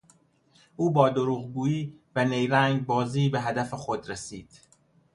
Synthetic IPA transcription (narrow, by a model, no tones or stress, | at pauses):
ʔuːbɒːd̪oɾuːɣɡuːiːvænejɾæŋɡbɒːziːbeɦæd̪æfexod̪ɾesiːd̪̥